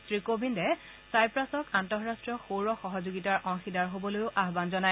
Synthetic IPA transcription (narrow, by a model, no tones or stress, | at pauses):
sɹikobʱindɛ | sajpɹasɔkantɔɹastɹɔxoɹɔxɔɦɔzoɡitaɹʔɔŋxidaɹɦobɔlojʊʔaɦbanzɔnaj